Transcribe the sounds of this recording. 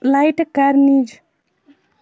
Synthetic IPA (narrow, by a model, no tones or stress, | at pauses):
lajʈkaɾnid͡ʒ